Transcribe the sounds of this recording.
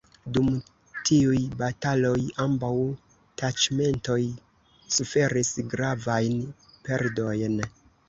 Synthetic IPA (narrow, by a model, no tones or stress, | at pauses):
dum | tiujbatalo̞jambaw | tat͡ʃme̞nto̞j | sufe̞ɾisɡɾavajn | pe̞ɾdo̞jn